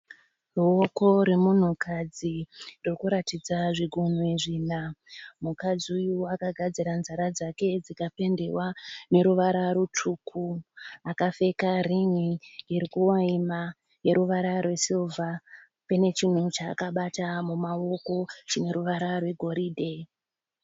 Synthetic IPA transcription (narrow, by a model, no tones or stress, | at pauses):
ruoko̞ɾemun̤ukad͡ziririkuɾatid͡zaʐiɡʱun̤ueʐiːnamukad͡ziujuakaɡʱad͡ziɾanzaɾad͡zake̞d͡zikape̞nde̞wane̞ɾuʋaɾaɾutʰukʰuakafe̞kariŋiːɾikuwaima | je̞ɾuʋaɾarwe̞silvʱa | pane̞t͡ʃin̤ut͡ʃa̰ːkaɓatamumao̞ko̞t͡ʃine̞ɾuʋaɾarwe̞ɡʱo̞ɾiːde̞